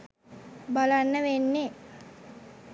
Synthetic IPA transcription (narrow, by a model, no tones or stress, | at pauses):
balanːəʋenːe